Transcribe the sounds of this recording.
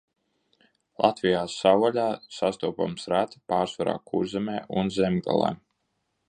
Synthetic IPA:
lˠat̪vijaːsawaʎʲaːsast̪uɔpa̰msɾat̪i̥paːɾsvaɾa̰ːkuɾzɛmɛːʔunzɛmɡa̰lˠa̰ː

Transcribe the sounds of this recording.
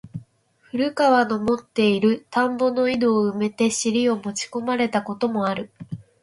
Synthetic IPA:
ɸɯ̟ɾɯ̟kaβano̞mo̞t̪ːe̞iɾɯ̟t̪ãmbo̞no̞id̪o̞ːɯ̟me̞t̪e̞ɕiɾʲio̞mo̞t͡ɕi̥ko̞maɾe̞t̪ako̞t̪o̞mo̞aɾɯ̟

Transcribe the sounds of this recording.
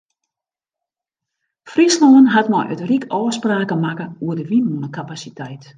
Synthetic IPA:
frisnoːənɦatmajʔə̰trikʰɔːspraːkəmakəuədəʋinonəkʰapasitʰɛjt

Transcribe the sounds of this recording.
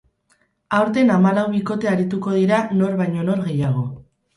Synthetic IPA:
awɾt̪e̞namalawβiko̞t̪e̞aɾit̪uko̞ð̞iɾano̞ɾβajɲo̞no̞ɾɣe̞jaɣ̞o̞

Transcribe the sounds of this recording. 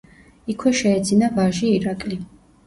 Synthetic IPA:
ikʰwɛʃɛːd̪zinavaʒiːɾakʼli

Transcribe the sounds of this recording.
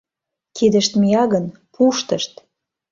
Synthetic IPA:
kʰid̪ə̆ʃt̪mijɑɣən | pʰuʃt̪ə̆ʃt̪

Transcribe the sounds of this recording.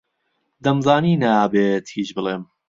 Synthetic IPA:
d̪ɐmzaːninaaːbet̪hit͡ʃbɨlˠeːm

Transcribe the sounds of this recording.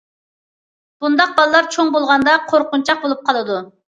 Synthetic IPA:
b̥und̪ɑq̚bɑlˠɨlˠɑɾt͡ʃʰoŋbolˠʁɑnd̪ɑqʰoɾqʊnt͡ʃʰɑq̚bolˠup̚qʰɑlˠɨd̪u

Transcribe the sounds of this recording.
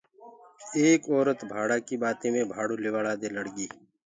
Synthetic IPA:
eːkɔːɾət̪bʱaːɽaːkibaːt̪ẽːmẽːbʱaːɽoːlɪʋaːɽaːd̪eːləɽɡiː

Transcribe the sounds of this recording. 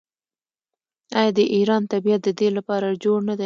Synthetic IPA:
ɑjɑd̪əʔiɾɑnt̪abijat̪̚d̪əd̪elapɑɾad͡ʒoɽnad̪e

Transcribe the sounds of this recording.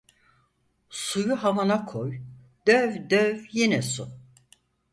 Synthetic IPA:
sujuɦavanakʰoj | d̪̥øvd̪øvjinɛsu

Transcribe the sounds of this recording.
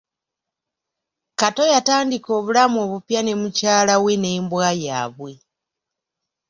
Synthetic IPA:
kato̞jataːndiko̞ːβulamo̞ːβupjane̞mucaːlawene̞ːmbwaːja̰ːβwe̞

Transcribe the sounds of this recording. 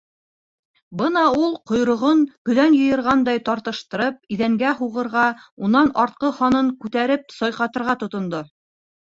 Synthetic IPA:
bɤnɑulˠqŏjɾŏʁonkɵ̆ðænjɤ̆jɤ̆ɾʁɑnd̪ɑjt̪ɑɾt̪ɤ̆ʃt̪ɤ̆ɾɤp̚iðæŋɡæɦuʁɤ̆ɾʁɑunɑnɑɾt̪̚qɤχɑnɤŋkʉt̪æɾɘp̚sɑjqɑt̪ɤ̆ɾʁɑt̪ŏt̪ŏnd̪o

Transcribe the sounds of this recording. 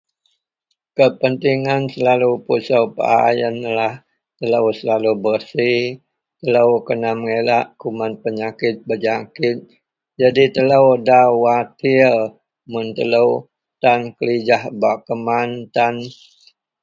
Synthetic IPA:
kəpənt̪iŋansəlalupusəwpə̰a̰jənlah | t̪ələwsəlalubərsi | t̪ələwkənaməŋelaʔkumanpəɲakɪt̪̚bəd͡ʒakɪt̪̚ | d͡ʒadit̪ələwdawat̪il | munt̪ələw | t̪ankəlid͡ʒahbakəmant̪an

